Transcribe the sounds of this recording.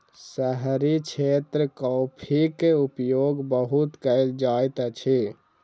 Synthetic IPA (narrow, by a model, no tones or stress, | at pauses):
səɦɾit͡ʃʰet̪ɾəkɔːpʰikeupjoɡbəɦut̪kəɪld͡ʒajt̪t͡ʃʰi